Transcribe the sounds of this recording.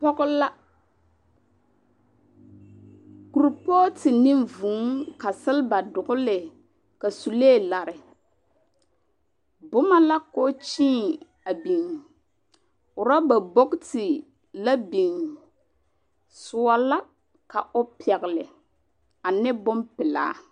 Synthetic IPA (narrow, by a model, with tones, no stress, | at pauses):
pɔ˦ɣʊ˦la˦ | ku˨ɾpɔː˦tɪ˨ni˦mvuː˨˦ŋka˨sɪ˦lba˨dʊ˨ɣʊ˦lɪ˨ | ka˨su˨leː˦˨la˨ɾɪ˨ | bʊ˦ma˦la˦koː˦t͡ʃĩː˦ | a˨bi˨ŋ | ʊ˨ɾa˦ba˨bɔ˦ktɪ˨ | la˦bi˨ŋ | sʊ˨wa˦la˦ | ka˨o˦pɛ˨ɣɪ˨lɪ˨ | a˨nɛ˦bɔ˦mpɪ˨la̰ː˨˦